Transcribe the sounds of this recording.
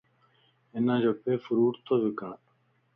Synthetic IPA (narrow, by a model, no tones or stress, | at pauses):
ɪnãːd͡ʑoːpeːfʊɾuːɾt̪ʰoːʋikãː